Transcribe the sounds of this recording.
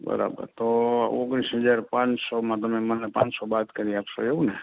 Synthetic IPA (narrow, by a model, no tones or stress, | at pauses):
bə̰ɾa̰bə̰ɾt̪oo̰ɡɾisɦəd͡ʒaɾpãt͡ʃsɔmãt̪əmemənepã̰t͡ʃsɔbat̪kəɾiaːpso̰eɦũne